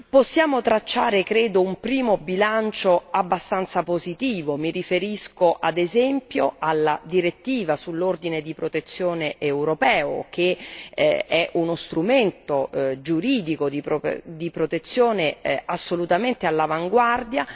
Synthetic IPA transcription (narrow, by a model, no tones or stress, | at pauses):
posːjaːmot̪ɾat͡ʃːaːɾekɾeːd̪oumpɾiːmobilant͡ʃoabːast̪ant̪sapozit̪iːvomiɾifeɾiskoʔad̪ezɛmpjoalːad̪iɾet̪ːiːvasulːord̪ined̪ipɾot̪et̪sːjoːneʔːwɾopɛːo̰k̟ḛ | ɛʔunost̪ɾument̪od͡ʒuɾiːd̪ikod̪ipɾo̰d̪ipɾot̪et̪sːjoːneasːolut̪ament̪ealːavaŋɡward̪ja